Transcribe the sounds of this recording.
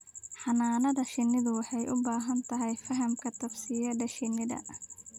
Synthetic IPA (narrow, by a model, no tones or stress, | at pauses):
ħɑnaːnɐðɐʃɪnːɪðʊwɑħɑjʔʊbaːɦɐnt̪ʰɐɦɛjfɐɦɐmkʰɐt̪ʰɐbsɪjɐɖɐʃɪnːɪðɐ̰